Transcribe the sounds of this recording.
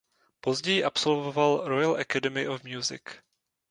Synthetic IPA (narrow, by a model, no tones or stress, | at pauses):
po̞zɟɛjɪʔapso̞lvovalɾojalʔɛkadɛmɪʔofmjuzɪ̰k